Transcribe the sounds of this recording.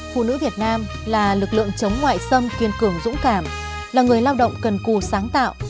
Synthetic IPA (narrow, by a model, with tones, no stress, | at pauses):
fṵ˧˨nɨ̰˧˥vi˨˩ət̚naː˧m | laː˨˩lɨ˨˩k̚lɨ̰˧˨əŋt͡ɕə˨˦wŋ͡mŋwa̰ː˧˨jsə˧mkwi˧˩ənkɨ˨˩əmzʊ̰˧˥ŋ͡mkaː˧˩m | laː˨˩ŋɨ˨˩əjlaː˧wɗə̰˧˨wŋ͡mkə˨˩nku˨˩saː˨˦ŋt̪a̰ː˧˨wʔ